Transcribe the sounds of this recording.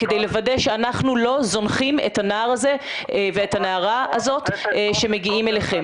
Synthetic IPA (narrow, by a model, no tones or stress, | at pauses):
ked̪ejle̞vadeʃeanaχnulo̞zo̞nχimḛtanaaʁaze̞ | veːthanaaʁaazo̞t̪ʃe̞me̞ɡiime̞leχem